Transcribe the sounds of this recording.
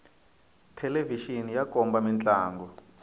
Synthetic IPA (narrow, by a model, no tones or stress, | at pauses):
tʰɛleviʃinijakʼɔmbamɛnt͡ɬʼaːŋɡɔ